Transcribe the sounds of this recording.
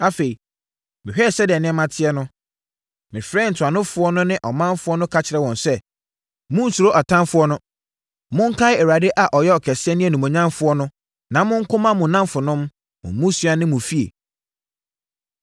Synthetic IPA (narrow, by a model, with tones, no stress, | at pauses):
a˦fe˨i˨ | mɪ̃˨hᶣɛ˦˨sɛ˦dɪ˨ɛ˨nɪ̃˦ɛ˦mã˨tʰɪ˦ɛ˦nʊ̃˦ | mɪ̃˨fɾɛ˦˨n̩˨tʰʊ˨a˨nʊ̃˦fʊ˦ɔ˦nʊ̃˦nɪ̃˦ʔɔ˨mã˦nfʊ˦ɔ˦nʊ̃˦kʰa˦t͡ɕʰɪ˨ɾɛ˦wɔ̃˨nsɛ˦ | mʊ̃˦n̩˨su˨ɾo˦ʔa˨tʰã˦mfʊ˦ɔ˦nʊ̃˦ | mʊ̃˦ŋ̩˦kʰa˦ɪ˦ɛ˨wa˨de˦ʔa˨ʔɔ˨jɛ˦ɔ˨kʰɛ˨sɪ˦ɛ˦nɪ̃˦ɛ˨nũ˨mɔ̃˨ɲã˦mfʊ˨˦ɔ˦nʊ̃˦ | nã˨mʊ̃˦ŋ̩˦kʰʊ̃˦mã˦mʊ̃˨nã˦mfʊ˨nʊ̃˦m | mʊ̰̃˨˦mʊ̃˦su˨˦a˨˦nɪ̃˦mʊ̃˨fi˦ḛ˨